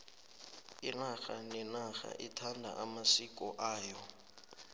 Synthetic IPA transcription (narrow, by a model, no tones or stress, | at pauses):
inaxanɛnaxa̰ʔitʰandʱa̰ʔamasikʼɔʔaːjɔ